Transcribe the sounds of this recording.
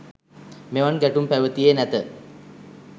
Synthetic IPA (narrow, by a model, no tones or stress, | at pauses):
meʋanɡæʈumpæʋət̪ijenæt̪ə